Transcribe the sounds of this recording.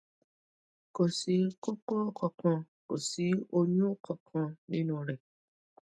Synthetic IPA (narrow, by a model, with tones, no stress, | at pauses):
ko˨si˨˦ko˦ko˦kʰɔ˨kɔ̃˧ | ko˨si˨˦o˧ɲũ˦kʰɔ˨kʰɔ̃˧nĩ˦nũ˦ɾɛ˨